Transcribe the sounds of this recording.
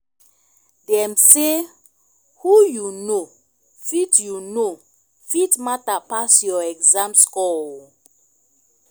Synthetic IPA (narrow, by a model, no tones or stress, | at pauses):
dɛmse | hujuno | fitjuno | fitmatapasjɔɛkzãmskɔl